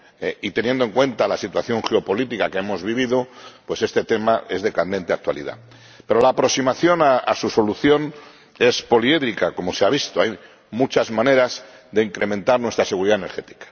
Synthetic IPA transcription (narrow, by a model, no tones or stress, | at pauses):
eit̪e̞njend̪oŋkwe̞nt̪alasit̪waθjo̞ŋxe̞o̞po̞lit̪ikake̞emo̞zβiβ̞iðo̞pwe̞se̞st̪e̞t̪e̞mae̞zðe̞kand̪e̞nt̪eak̚t̪wa̰lḭða̰ | pe̞ɾolaːpɾo̞ksimaθjo̞naasuso̞luθjo̞n | e̞spo̞lieðɾikako̞mo̞seaβ̞ist̪oaj | mut͡ʃazmãne̞ɾaz | ðe̞iŋkɾʔe̞mẽnt̪aɾnwe̞st̪ɾaseɣuɾiðaene̞ɾxe̞t̪i̥kḁ